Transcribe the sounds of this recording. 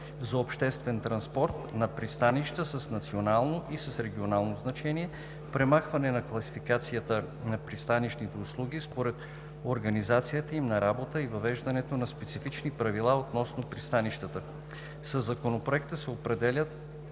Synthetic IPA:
zɐopʃt̪ɛst̪vɛnt̪ɾɐnspɔɾt̪nɐpɾist̪aniʃt̪əsəsnɐt̪sionalˠnoʔisɐsɾɛɡʲionalˠnoznɐt͡ʃɛniɛ | pɾɛmaxvɐnɛnɐklˠɐsifikat̪sijət̪ə | nɐpɾist̪anit͡ʃnit̪ɛʊslˠuɡ̟ʲispoɾɛt̪ | oɾɡɐnizat̪sijət̪əimnɐɾabot̪əivɐvɛʒd̪ɐnɛt̪onɐspɛt̪sifit͡ʃnipɾɐvilˠaot̪nɔsnopɾist̪aniʃt̪ət̪ə | sɐzːɐkonopɾoɛk̚t̪əsɛopɾɛd̪ɛlʲət̪̚

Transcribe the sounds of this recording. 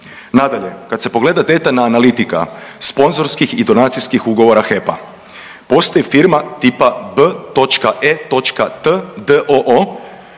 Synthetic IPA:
nad̪aʎe̞kat̪se̞po̞ɡle̞ːd̪ad̪e̞t̪anaːnalit̪ika̰spo̞nzo̞ɾskixid̪o̞naːt̪sijskixuɡo̞ʋo̞ɾaxe̞pa | po̞st̪ojefiɾmat̪ipabət̪o̞t͡ʃkaʔet̪o̞t͡ʃkat̪əd̪əʔoʔo

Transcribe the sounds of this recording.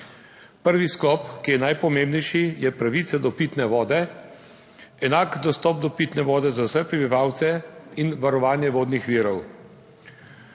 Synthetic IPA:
pəɾʋisklɔpkijɛnajpɔmeːmbnɛjʃijɛpɾaʋiːt̪sad̪ɔpit̪nɛʋɔːd̪ɛ | ɛnaːkd̪ɔst̪ɔːp̚d̪ɔpiːt̪nɛʋɔːd̪ɛzawsɛpɾɛbiʋaːwt̪sɛinʋaɾɔʋaːnjɛʋoːd̪nixʋiːɾɔw

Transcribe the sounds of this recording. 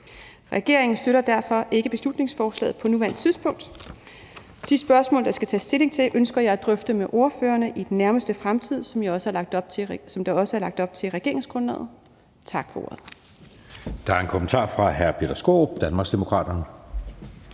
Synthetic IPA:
ʁɛɡ̥e̝ɐe̝ŋn̩sd̥øɾɐd̥æɐfɒ̽ʔe̝ɡ̥əb̥e̝slud̥ne̝ŋsfɒːslɛ̰ːð̩ˠpʰɒ̽nuʋæɐnd̥̚t͡sʰiðˠsb̥ɔ̽ŋ̰d̥ | d̥isb̥ɶɐsmɔ̰ːld̥ɑ̈sɡ̥æt͡sʰɛ̰ːsd̥e̝le̝ŋt͡sʰe̝lʔønsɡ̥ɐjɑæd̥ʁœfd̥əmeʔo̝ɐføːɐnəʔid̥enːæɐməsd̥əfʁamt͡sʰið̞̰ˠsɒmjɑɒ̽səælɑ̈ɡ̥̚d̥ɒb̥̚sɒ̽md̥ɑ̈ɒ̽səæɐlɑ̈ɡ̥̚d̥ɒ̽b̥̚t͡sʰe̝lʁɛɡ̥e̝ɐ̰ʁe̝ŋsɡ̥ʁɔnlɛ̰ːð̩ˠ | t͡sʰɑ̈ɡ̥fɒ̽o̝̰ːɐð̩ˠ | d̥ɑ̈æɐe̝nkʰomənt͡sʰɑ̰̈ːfʁɑ̈ɦæɐb̥ʰelɐsɡ̥o̝̰ːd̥ænmɑ̈ːɡsd̥e̝mo̝kʰʁɑ̰̈ːd̥ɐnə

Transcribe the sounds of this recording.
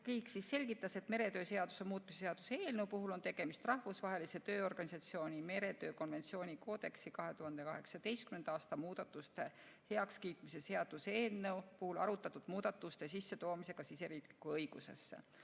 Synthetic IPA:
kɤjksisːe̞lʲɡit̪ːˑɑse̞t̪me̞ɾe̞t̪ø̞ːse̞ɑd̪u̥se̞muːt̪miseseɑd̪̥useeːlnewpuɦulo̞nt̪e̞ɡ̥e̞mist̪rɑhvusvɑɦe̞lise̞t̪øːo̞rɡ̥ɑnʲisɑt̪sio̞ːnʲime̞ɾe̞t̪ø̞ːko̞nve̞nt̪sio̞ːnʲiko̞ːd̪̥e̞ksikɑɦe̞t̪uɦɑnd̪e̞kɑhe̞̰ksɑd̪e̞jst̪kymend̪̥ɑːst̪ɑmuːd̪̥ɑt̪ːˑust̪e̞ | he̞ɑkskiːt̪mise̞se̞ɑd̪̥useːlnewpuhulɑ̰ɾut̪ːˑɑt̪ːud̪̥muːd̪̥ɑt̪ːˑust̪e̞s̬isːe̞t̪o̞ːmise̞ɡ̥ɑsiseɾiklikːˑuɤjɡ̥use̞̰sːḛ

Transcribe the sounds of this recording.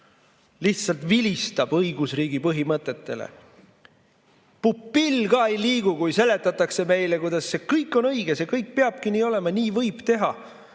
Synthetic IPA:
liht̪sɑlt̪vilist̪ɑb̥ɤjɡ̥usriːɡ̥ipɤɦimɤt̪ːˑe̞t̪ːe̞̰lḛ | pupːilːɡɑe̞jliːɡ̥ukujse̞le̞t̪ːˑɑt̪ːˑɑkse̞me̞jle̞kujd̪̥ɑsːe̞kɤjkːˑo̞nɤjɡ̥esekɤjk̚peɑb̥kiniːo̞le̞mɑniːvɤjb̥t̪e̞ɦɑ

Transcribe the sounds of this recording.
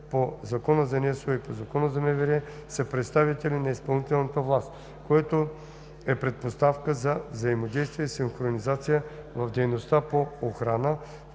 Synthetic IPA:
pozɐkɔnəzɐnɛsoipozɐkɔnəzɐmɛvɛɾɛsɐpɾɛt̪st̪avit̪ɛlinɐispɐlˠnit̪ɛlˠnət̪əvlˠast̪ | koɛt̪o | ɛpɾɛt̪̚post̪afkəzɐvzɐimod̪ɛjst̪vijɛisiŋxɾonizat̪sijəvɐvd̪ɛjnost̪apoːxɾanə

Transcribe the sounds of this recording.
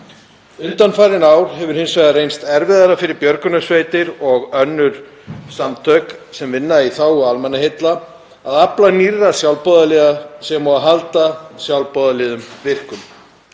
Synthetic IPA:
ʏnt̪anfajɾɪnaːwɾ̥ɦɛvʏɾ̥hɪnsvajðarejnst̪ɛɾvɪðaɾafɪɾɪɾpjœɾkʏnasveːjt̪ɪɾɔɣœnːʏɾ̥ | samt̪ʰœːksɛmvɪnːaiθawʏalmɛnːaɦejt̪la | aðaplanirːasjawlpɔːðalɛðasɛmaaɦalt̪asjawlpɔðalɛːðʏmvɪr̥kʏm

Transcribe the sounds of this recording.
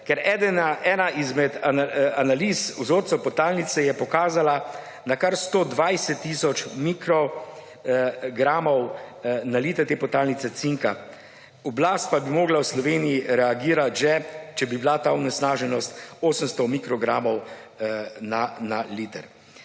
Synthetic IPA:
kɛɾɛd̪ɛnaʔɛːnaizmɛd̪aanalisuzoːɾt̪sɛpɔt̪aːlnit̪sɛjɛpɔkaːzala | nakaɾst̪oːd̪ʋajsɛt̪ːiːsɔt͡ʃmikɾɔ | ɡɾaːmɔwnaliːt̪ɛɾt̪eːpɔt̪aːlnit̪sɛt̪siŋka | ɔblaːst̪̚pabimoːɡlawslɔʋeːnijiɾɛaɡiːɾat̪ʒɛt͡ʃɛbibilat̪aɔnɛsnaːʒɛnɔst̪oːsəmst̪ɔmikɾɔɡɾaːmɔw | nanaliːt̪əɾ

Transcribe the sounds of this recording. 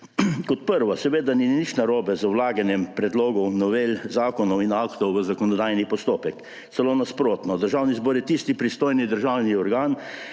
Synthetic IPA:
kɔt̪̚pəɾʋasɛʋeːd̪aninit͡ʃnaɾoːbɛzəwlaːɡanjɛmpɾɛd̪loːɡɔnɔʋelzaːkɔnɔwinaːkt̪ɔwʋəzakɔnɔd̪ajnipɔst̪oːpɛk̪ | sɛloːnaspɾoːt̪nɔd̪əɾʒawnizbɔːɾjɛt̪ist̪ipɾist̪oːjnid̪əɾʒawniɔɾɡaːn

